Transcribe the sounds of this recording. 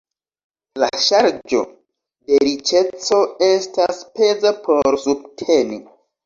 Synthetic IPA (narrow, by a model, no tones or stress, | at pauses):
laʃaɾd͡ʒo̞̰ | de̞ɾit͡ʃe̞t͡so̞e̞staspe̞zapʰo̞ɾsub̚tʰe̞ni